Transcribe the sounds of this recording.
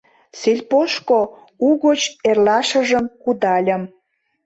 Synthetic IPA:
selʲpoʃko | uɣot͡ɕerlɑʃə̆ʒəmkud̪ɑlʲə̆m

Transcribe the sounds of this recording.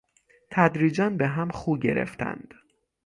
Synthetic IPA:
t̪ʰæd̪ɾiːd͡ʒænbeɦæmχuːɟḛɾḛft̪ʰæ̰nd̪̥

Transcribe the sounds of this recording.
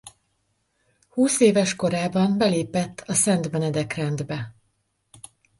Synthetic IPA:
huːseːvɛʃko̞ɾaːbɒmbɛleːpɛt̪ʰːɒsɛnt̪mɛnɛd̪ɛkrɛnd̪bɛ

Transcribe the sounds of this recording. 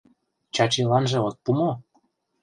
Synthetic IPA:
t͡ɕɑt͡ɕelɑnʒɤ̆ot̪̚pumo

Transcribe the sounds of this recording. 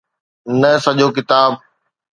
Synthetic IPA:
nɐsɐʄoːkɪt̪aːb̚

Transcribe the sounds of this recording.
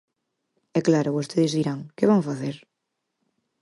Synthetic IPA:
ɛklaɾʊβost̪eðɪzðiɾaŋkɪβ̞aŋfaθeɾ

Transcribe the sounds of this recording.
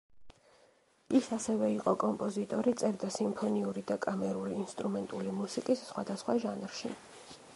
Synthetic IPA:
isasɛvɛiqʼɔkʼɔmpʼɔzit̪ʼɔɾit̪sʼɛɾd̪asimpʰɔniuɾid̪akʼamɛɾuliːnst̪ʼɾumɛnt̪ʼulimusikʼisːχwad̪asχwaʒanɾʃḭ

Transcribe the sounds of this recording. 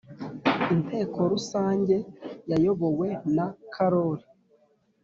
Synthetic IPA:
intʰe̞ːkʰo̞ɾusaːɲɟe̞jajo̞βo̞we̞nakʰaɾo̞ɾi

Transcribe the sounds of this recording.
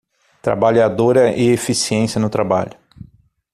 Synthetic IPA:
t̪ɾa̰baʎad̪oɾɐʔɪefisiẽsiɐnʊt̪ɾaba̰ʎʊ

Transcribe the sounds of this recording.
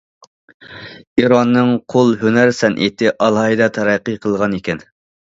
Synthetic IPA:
iɾɑnːɨŋqʰolˠɦønæɾsɛnʔḛt̪ʰɪʔɑlˠɦɑid̪ɑt̪ʰɑɾæqːɨqʰəlˠʁɑnekʲɛn

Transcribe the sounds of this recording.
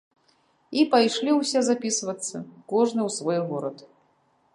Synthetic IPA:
ipajʂlʲiwsʲɛzapʲisvɐt̪sːɐkɔʐnɨwsvɔjɣɔɾɐt̪

